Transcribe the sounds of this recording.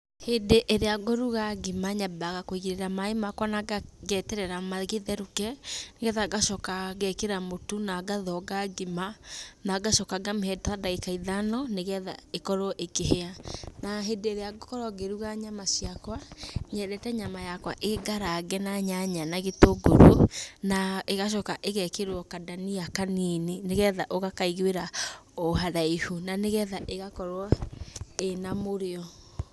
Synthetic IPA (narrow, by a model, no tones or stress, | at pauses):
hedeʔeɾeaɡoɾuɣaɡimaɲabaɣakoiɣiɾeɾamaemakwanaɡaɡɛtɛɾɛɾamaɣeðɛɾukɛneɣɛðaɡaʃɔkaɣɛkeɾamotunaɡaðɔɡaɡimanaɡaʃɔkaɡamehɛtadaɣekaiðanɔneɣɛðaekɔɾɔʔekeɦeanaɦedeɾeaɡokɔɾɔɡeɾuɣaɲamasiakwaɲɛɾɛtɛɲamajakwa̰ʔeɡaɾaɡɛnaɲaɲanaɣetoɡoɾonaeɣaʃ̬ɔkaʔeɣɛkeɾwɔkadaniakaninineɣɛðaʔoɣakaiɣweɾaoɦaɾaihunaneɣɛðaʔeɣakɔɾwɔ | enamoɾeɔ